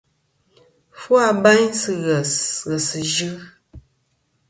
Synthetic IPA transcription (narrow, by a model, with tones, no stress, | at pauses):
fwa˦˨ba˦ɲsɨ˦ɣɛ˨sɣə˨sɨ˨ʒɨ˦